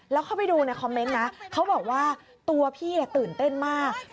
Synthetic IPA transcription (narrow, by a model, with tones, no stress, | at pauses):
lɛː˦˥wkʰa˥˩pa˨˩jduː˧na˧jkʰɔ˧mːe˦˥nːa˦˥kʰa˦˥wbɔː˨˩k̚waː˥˩ | t̪u˧ɐpʰiː˥˩na˨˩t̪ɯː˨˩nt̪e˥˩nmaː˥˩k̚